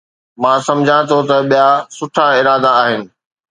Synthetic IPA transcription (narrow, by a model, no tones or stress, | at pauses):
mãːsɐ̃md͡ʑʱãt̪ʰot̪ɐɓijasʊʈʰaɪɾaːd̪aːɦɪnɪ̆